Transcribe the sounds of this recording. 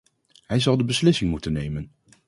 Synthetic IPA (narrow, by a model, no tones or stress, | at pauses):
ɦɛjzɑlˠdəbəslɪsɪŋmutənːejmən